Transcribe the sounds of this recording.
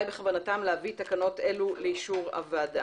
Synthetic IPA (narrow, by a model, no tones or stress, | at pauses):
jbeχavanatamleavit̪akano̞te̞luleiʃuʁa̰vad